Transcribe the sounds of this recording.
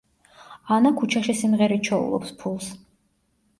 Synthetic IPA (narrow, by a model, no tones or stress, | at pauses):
anakʰut͡ʃʰaʃisimʁɛɾit͡ʃʰɔṵlˠɔ̰pspʰulˠs